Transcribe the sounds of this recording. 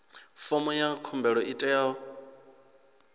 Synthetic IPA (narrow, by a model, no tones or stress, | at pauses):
fɔmɔjakʰɔmbɛɺɔitʼɛaɔ